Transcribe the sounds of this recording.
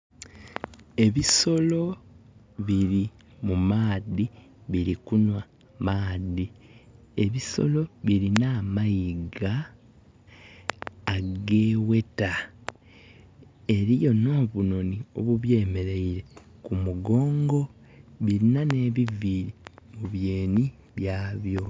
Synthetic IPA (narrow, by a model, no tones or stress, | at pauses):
e̞βiso̞lo̞ | βiɾi | mumaːði | βiɾikunwa | maːði | e̞βiso̞̰lo̞βiɾinaːmajiɡa | ɡeːwe̞ta | e̞ɾijo̞no̞ːβuno̞nio̞̰βuβje̞ːme̞ɾeiɾe̞ | kumuɡo̞ːŋɡo̞ | βiɾinane̞βiviɾimuβje̞ːni | βjaːβjo̞